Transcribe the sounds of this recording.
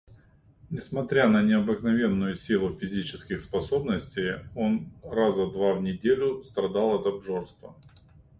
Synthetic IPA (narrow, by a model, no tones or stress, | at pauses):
nʲɪsmɐt̪ɾʲanənʲɪɐbɨknɐvʲe̞nːʊjʊsʲilˠʊfʲɪzʲit͡ɕɪskʲɪxspɐso̞bnəsʲtʲejo̞nrazəd̪vavnʲɪdʲelʲʊst̪ɾɐd̪alˠɐt̪ɐbʐorst̪və